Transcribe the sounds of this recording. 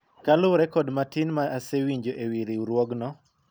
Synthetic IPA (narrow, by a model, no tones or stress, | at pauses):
kalʊɾɛkɔdmatinmaasewiɲd͡ʒoʔewiɾiuɾwɔɡnɔ